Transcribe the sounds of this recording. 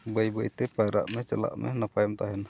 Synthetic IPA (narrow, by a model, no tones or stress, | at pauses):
bəjbəjt̪ɛpajɾa̰ʔmɛt͡ʃəla̰ʔmʔɛ̰nəpajmt̪aɦɛn